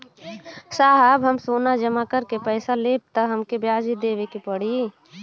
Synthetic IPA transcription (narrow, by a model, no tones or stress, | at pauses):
saːɦəbɦəmsoːnad͡ʒəmakəɾkepəɪsaleb̚t̪əɦəmkebjaːd͡ʒid̪eːʋekepəɽi